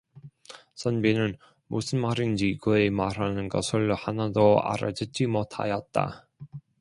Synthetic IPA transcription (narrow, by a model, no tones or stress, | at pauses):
sʰʌnbinɯn | mosʰɯnmaɾind͡ʑiɡɯemaɾanɯnɡʌsʰɯɭhanadoa̰ɾa̰d͡ʑɯd͡ʑimotʰa̰jʌt̚t͈a̰